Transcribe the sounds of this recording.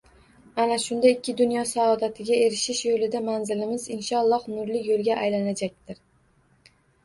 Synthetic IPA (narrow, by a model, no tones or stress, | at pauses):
anaʃʊnd̪aɪkʲːɪd̪ʊnjɒsaɒd̪at̪ʰɪɡʲae̞ɾɪʃɪʃjolɪd̪amanzɪlɪmɪzɪnʃɒlˠːɒhnʊɾlɪjolˠɡʲaʔajlanad͡ʒak̚ʲt̪ɪɾ